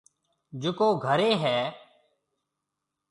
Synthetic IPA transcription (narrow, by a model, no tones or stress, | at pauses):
d͡ʒʊkoːɡʱəɾeːɦɛː